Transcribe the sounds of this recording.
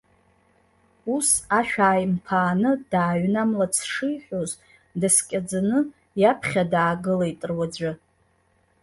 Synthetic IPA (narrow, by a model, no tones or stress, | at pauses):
usaʃᶣaːjmpʰaːnɨd̥aːɥnamlat͡sʰʂɨjħʷᶣoz | daskʲʼad͡zanɨ | japʰχʲadaːɡɨlajtʼɨrwad͡ʒʷɨ